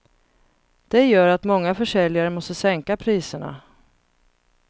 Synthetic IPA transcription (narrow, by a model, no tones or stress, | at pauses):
d̪̥ɛjœːɾat̪mɔŋːafœʂɛljaɾəmɔst̪əsɛŋkapʰɾiːsəɳa̰